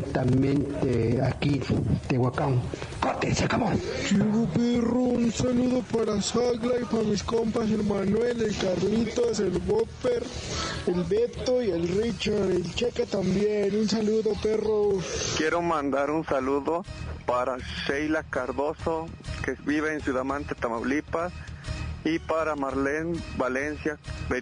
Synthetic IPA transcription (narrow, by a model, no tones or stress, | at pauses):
t̪amẽnt̪eakit̪ewakaŋ | kot̪esakamot͡ʃiɣupiruunsaluðopaɾasaɣlaipaɾamiskompas̬elmanwelelkaɾlit̪oes̬elβopeɾelbet̪ojelrit͡ʃaɾelt͡ʃekat̪ambjenunsaluðoperoskjeɾomand̪aɾunsaluðopaɾaʃejlakaɾðosokeβiβeːnsjuðamant̪et̪amawlipas | ipaɾamaɾlenbalensjabe